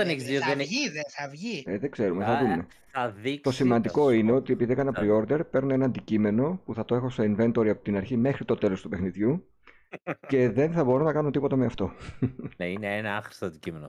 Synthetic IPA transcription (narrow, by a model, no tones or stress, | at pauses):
eneçizðiozðeniðeθɐvʝieðeɡze̞ɾumeθɐðumme̞ | θɐðit̪o̞simɐnd̪iko̞ineo̞t̪iepiðiekɐnɐpɾio̞ɾd̪e̞ɾpe̞ɾnoenɐnd̪icime̞no̞puθɐt̪o̞e̞xo̞so̞inve̞nt̪o̞ɾiɐpo̞t̪inɐɾçime̞xɾit̪o̞t̪e̞lo̞st̪upe̞xniðʝu | ce̞ðe̞nθɐbo̞ɾunɐkɐnunt̪ipo̞t̪ɐmeɐft̪o̞neineenɐɐxɾi̥stɐnd̪icimeno